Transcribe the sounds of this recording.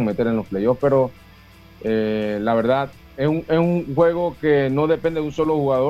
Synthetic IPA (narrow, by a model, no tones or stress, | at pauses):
ŋme̞t̪e̞ɾe̞nlo̞splejo̞fpe̞ɾo̞ | elaβe̞ɾðað | esuŋesuŋxwe̞ɣ̞o̞ke̞no̞ðe̞pe̞nd̪eðunso̞lo̞xuɣaðo